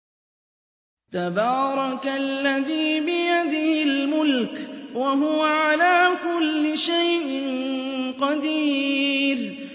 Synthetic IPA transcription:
t̪abɑːɾˤɑklːaðiːbɪjad̪ɪhɪlmʊlkwaɦʊwaʕalaːkʊlːɪʃajʔɪnnqɑd̪iːɾ

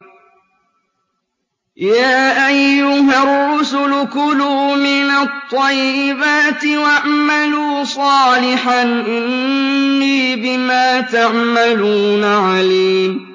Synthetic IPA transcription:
jaːʔajːʊɦarːʊsʊlkʊluːmɪnɑt̪ˤːɑjːɪbaːt̪ɪwaʕmaluːsˤɑːlɪħanʔɪnnːiːbɪmaːt̪aʕmaluːnaʕaliːm

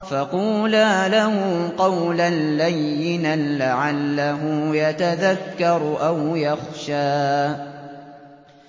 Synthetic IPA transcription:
faquːlaːlahʊqɑwlanːajːɪnalaʕalːaɦʊjat̪aðakːɑɾˤʔawjaxʃaː

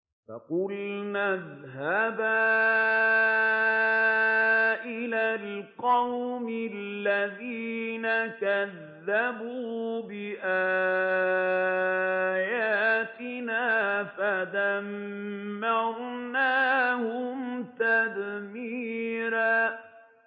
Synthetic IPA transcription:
fa̰qʊlnaðhabaː | ʔɪlaːlqɑwmɪlːaðiːnakaðːabuːbɪʔaː | jat̪ɪnaːfaðamː | ɑɾˤnaːhʊmt̪ad̪miːɾaː

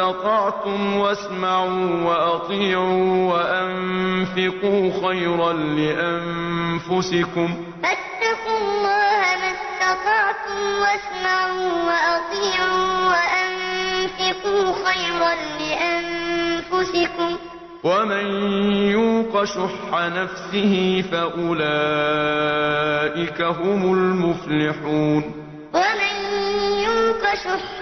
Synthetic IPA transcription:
ɑt̪ˤɑʕt̪ʊmwasmaʕuːwaʔɑt̪ˤiːʕuːwaʔamfɪquːxajɾɑnlɪʔamfʊsɪkʊm | ʔat̪ːɑqʊlːɑːhamast̪ɑt̪ˤɑʕt̪ʊmwasmaʕuːwaʔɑt̪ˤiːʕuːwaʔanfɪquːxajɾˤanlɪʔanfʊsɪkʊm | wamanjuːqɑʃʊħːanafsɪhɪfaʔʊlaː | ʔɪkaɦʊmʊlmʊflɪħuːn | wamanjuːqɑʃʊħ

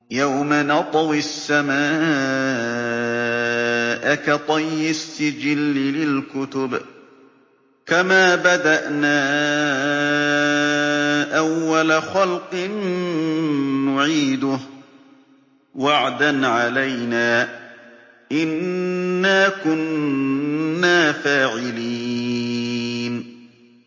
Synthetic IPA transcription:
jawmanɑt̪ˤɑwisːamaː | ʔakat̪ˤɑjːɪsːɪd͡ʒɪlːɪlɪlkʊt̪ʊb | kamaːbad̪aʔnaː | ʔawːalaxalqɨn | ʊʕiːd̪ʊh | waʕd̪anʕalajnaː | ʔɪnː | aːkʊnː | aːfaːʕɪliː | n

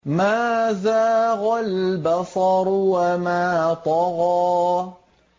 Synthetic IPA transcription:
maːzaːɣalbasˤɑɾwamaːt̪ˤɑɣɑː

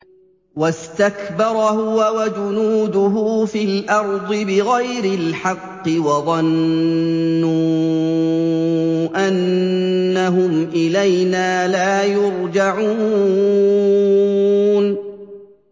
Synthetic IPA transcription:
wast̪akbɑɾˤhʊwawad͡ʒʊnuːd̪ʊɦʊfiːlʔɑɾˤd̪ˤɨbɪɣajɾɪlħɑqːɪwɑðˤɑnː | u | ʔanː | aɦʊmʔɪlajnaːlaːjʊɾd͡ʒaʕuː | n

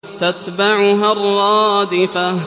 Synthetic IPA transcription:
t̪at̪baʕʊɦarˤːɑːd̪ɪfa

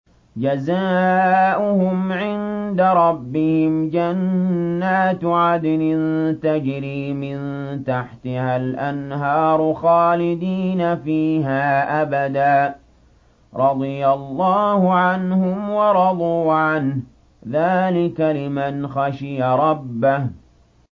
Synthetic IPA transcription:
d͡ʒazaːʔʊhʊmʕɪnd̪aɾˤɑbːɪhɪmd͡ʒanːaːt̪ʕad̪lɪnt̪ad͡ʒɾiːmɪnt̪aħt̪ɪhalʔanɦɑːɾˤxaːlɪd̪iːnafiːɦaːʔabad̪aː | ɾˤɑd̪ˤɨjalˤːɑːhʊʕanhʊmwɑɾˤɑd̪ˤuːʕan | ðaːlɪkalɪmanxɑʃɪjaɾˤɑbːah

